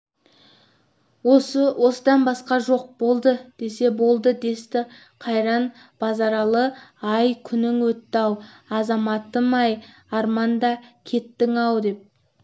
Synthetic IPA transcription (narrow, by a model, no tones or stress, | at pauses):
oswʔo̞səd̪ɑnbɑsqɑʒo̞q̚bo̞lˠd̪əd̪̥e̞se̞bo̞lˠd̪əd̪e̞st̪ɪ | qʰɑjɾɑn | b̥ɑzɑɾɑlˠəɑjkʲʰʏnɪŋwɵt̪ːɑwɑzɑmɑt̪ːəmɑj | ɑɾmɑnd̪ɑkʲʰe̞t̪ːɪŋɑwd̪e̞p̚